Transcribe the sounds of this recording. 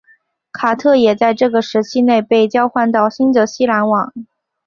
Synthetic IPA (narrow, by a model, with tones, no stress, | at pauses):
kʰa˨˩t̪ʰɤ˥˩jɛ˨˩t͡sa˥˧ɪʈ͡ʂɤ˥˩ɡə˩ʂɻ̩˧˥t͡ɕʰi˥ne˥˧ɪpe˥˩ɪt͡ɕjɑ˥ʊxwa˥˧nt̪ɑ˥˩ʊɕi˥nd̪ə˧˥ɕi˥la˧˥nwɑ˨˩˦ŋ